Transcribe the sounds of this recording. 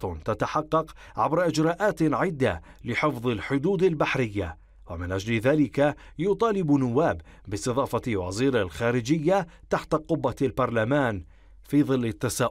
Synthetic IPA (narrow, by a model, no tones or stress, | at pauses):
t̪at̪aħɑqːɑq | ʕa̰bɾˤɑʔɪd͡ʒɾˤɑːʔaːt̪ʕɪd̪ːa | lɪħɪfðˤɪlħʊd̪uːd̪albaħɾɪjːa | wamɪnʔad͡ʒlɪðaːlɪkajʊt̪ˤɑːlɪbnʊwːaːb | bɪsˤt̪ɨðˤɑːfɑwa̰ziːɾalxaːɾɪd͡ʒɪjːa | t̪aħt̪aqʊbːalbɑɾˤlamaːn | fiːðˤɨlːɪt̪ːasaːʔ